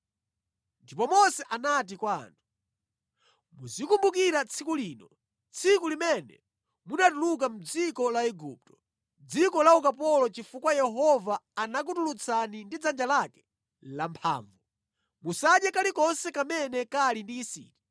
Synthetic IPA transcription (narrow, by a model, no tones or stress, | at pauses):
ndipɔmɔsɛʔanat̬ikwaːntʰu̥ | muzikumbuk̬iɾat͡sʰikuliːnɔ | t͡sʰikulimɛnɛ̰ | munatuluk̬am̩d͡zikɔlaɛɡṵːp̚tɔ̥ | d͡zikɔlaukapɔlɔt͡ʃifukwajɛɦɔvaːnak̬utulut͡sʰanindid͡zand͡ʒalakɛ̥ | lampʰa̰ːɱvu | musaɗjakalikɔnsɛkamɛnɛkalindiːsḭːti